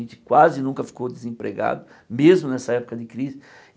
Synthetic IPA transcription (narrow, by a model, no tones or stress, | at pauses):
ẽnt͡ʃ̪ɪ̥kwazɪnũkɐfi̥kowd̪ɪzẽpɾḛɡa̰d̪ʊ | mezmʊnɛsɐɛpʊ̥kɐd̪ɪkɾizɪ